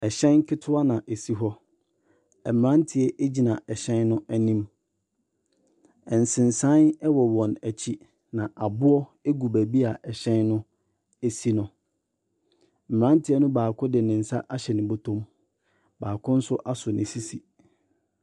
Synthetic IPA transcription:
ɛ˨ɕɛ̃˦n˦kʰɪ˦tʰʊ˦a˦nã˨ʔe˨si˦ɦɔ˦ | ɛ˨m˨ã˦n˦tʰɪ˨ɛ˦ʔe˦d͡ʑi˨nã˨ɛ˨ɕɛ̃˦nnʊ̃˦ʔæ˨nĩ˦m | ɛ˨n̩˨sɪ̃˨nsã˦nɛ˦wɔ˨wɔ̃˨næ˨t͡ɕʰi˦ | nã˨ʔa˨bʊ˦ɔ˦e˦ɡu˨bæ˨bi˦a˨ʔɛ˨ɕɛ̃˦nːʊ̃˦ | e˦si˦nʊ̃˨ | m̩˨m˨ã˦ntʰɪ˨ɛ˦nʊ̃˦baː˨kʰʊ̃˦dɪ˨nɪ̃˨n̩˨sa̰˦ʔa˦ɕɛ˨nɪ̃˨bo˦tʰõ˦m | baː˨kʰʊ̃˦n̩˦sʊ˦ʔa˦sʊ˨nɪ̰̃˨si˦si˨

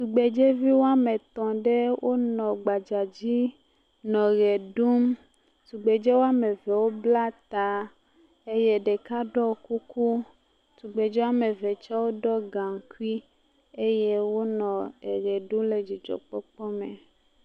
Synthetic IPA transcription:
su˨ɡ͡be˨d͡ʒe˦vi˦wo˦a˦me˨t̪ɔ̃˨ɖe˦wʔo˦nɔ̃˨ɡ͡ba˨d͡ʒa˨d͡ʑi˦ | nɔ̃˨ɣɛ˨ɖu˦m | su˨ɡ͡be˨d͡ʒɛ˦wo˦a˦me˨vɛ˨wo˦bla˦t̪a˨ | e˦jɛ˦ɖe˨ka˦ɖɔ˦ku˦ku˦ | su˨ɡ͡be˨d͡ʒɛ˦wa˦me˨ve˨t͡ʃa˦wo˦ɖɔ˦ɡã˨ŋ˨ku˦i˦ | e˦je˦wo˦nɔ̃˨e˨ɣɛ˨ɖu˦mle˨d͡ʑi˨d͡ʒɔ̰˨k͡pɔ˦k͡pɔ˦mḛ˨

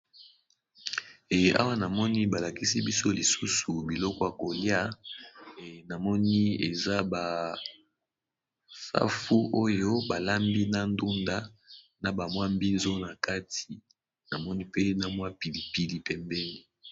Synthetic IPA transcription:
a̰˦wa˦na˨mɔ˦ni˦ba˨la˨ki˦si˦bi˦so˦li˨su˦su˨bi˨lɔ˦kɔ˦ja˨ko˨lja˦˨ | na˨mɔ˦ni˦e˨za˦ba˨ | fa̰˦fu˦ʔo˦jo˦ba˨la˦mbi˦na˦ndu˦nda˦ | na˨ba˨mwa˦mbi˦nzo˦na˨ka˦ti˨ | na˨mɔ˦ni˦pe˦na˨mwa˦pi˨li˨pi˨li˨pɛ˨mbɛ˦ni˦

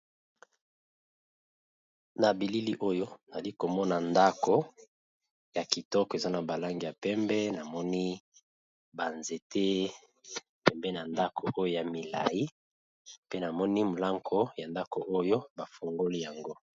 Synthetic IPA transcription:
na˨bi˨li˦li˦ʔo˦jo˦na˨zli˦ko˨mɔ˦na˨nda˦ko˨ | ja˨ki˨tɔ˦ke˨za˦na˨ba˨la˦ŋɡi˨ja˨pɛ˦mbɛ˦na˨mɔ˦ni˦ | ba˨nze˨tʰe˦ | pɛ˨mbɛ˦na˨nda˦kʰo˨ʔo˦jo˦ja˨mi˨la̰˨ji˦ | pe˦na˨mɔ˦ni˦mo˨la˦ŋkʰo˦ja˨nda˦ko˨ʔo˦jo˦ba˨fo˨ŋɡo˦li˦ja˨ŋɡo˦

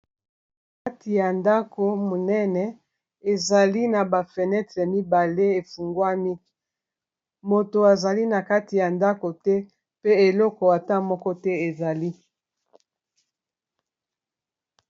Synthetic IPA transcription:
ka˦tʰi˨ja˨nda˦ko˨mo˨nɛ˦nɛ˨ | e˨za˨li˦na˨ba˨fɛ˨nɛ˦tʁɛ˨mi˦ba˨le˦e˨fu˨ŋɡwa˦mi˦ | mo˨to˨a˨za˨li˦na˨ka˦ti˨ja˨nda˦ko˨tɛ˦ | pe˦e˨lɔ˦kɔ˨a˨ta˦mɔ˦kɔ˦tɛ˦e˨za˨li˦

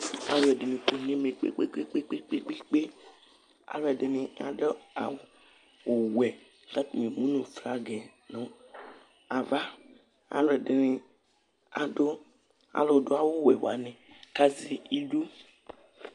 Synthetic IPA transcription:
a˨lo˨ɛ˨de˨nẽ˨ko˨ɲẽ˦mẽ˨k͡pḛ˦k͡pḛ˦k͡pḛ˦k͡pe˦k͡pe˦k͡pe˦k͡pe˦k͡pe˦ | a̰˨lo˦ɛ˨de˨nẽ˨a̰˨ɖe˦a̰˨w | wo˨wɛ˨ | ka˦t̪o˨me˨mũ˦nũ˨fɾa˦ɡɛ˨ | nɔ̃˦ | a˨va˦ | a̰˨lo˨ɛ˨de˨ne˨ | a̰˨ɖo˦ | a̰˨lo˨do˦a˦˨wo˦wɛ˨wo̰˨a̰˨nɛ̃˨ka˦zi˦i˦ɖu˦

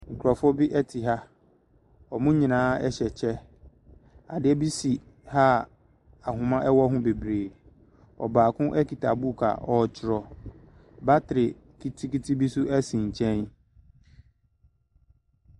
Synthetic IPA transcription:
ŋ̩˨kʰʊ˨ɾɔ˨fʊ˦bɪ˦ʔɛ˦tʰi˨ɦa˦ | ɔ˨mũ˦ɲĩ˨nãː˦ɛ˦ɕɛ˨t͡ɕʰɛ˦ | a˨dɪ˦ɛ˦bi˦si˨ | ha˦ | a˨ɦʊ̃˨mã˦ʔɛ˦wɔ˦ɦʊ̃˦be˨bɾeː˨ | ɔ̰˨baː˨kʰʊ̃˦ʔɛ˦ki˨tʰa˨bu˦˨kʰa̰˨ʔɔ˦˨t͡ɕʰɪ˦ɾɔ˨ | ba˦tʰɪ˨ɾɪ˨ | kʰi˦tʰi˦ki˦tʰi˦bi˦sʊ˦ɛ˦sĩ˨ɲ̩˨t͡ɕʰɛ̃˦n

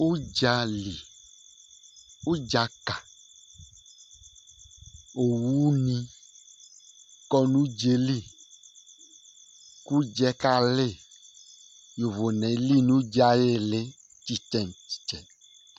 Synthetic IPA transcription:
u˦d͡ʒa˧li˨ | u˦d͡ʒa˧ka˨ | o˨wu˦nĩ˧ | kɔ˦nũ˦d͡ʒe˧li˦˨ | ku˦d͡ʒɛ˦ka˦˨le˦˨ | jo˨vo˨nɛ̃˨˦li˦nũ˦d͡ʒa˦je˦˨le˦ | t͡ʃi˦t͡ʃɛ˦˨nt͡ʃi̥˨t͡ʃɛ˨n

